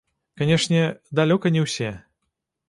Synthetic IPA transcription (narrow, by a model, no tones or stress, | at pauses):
kanʲɛʂnʲɛd̪alʲɔkɐnʲɛwsʲɛ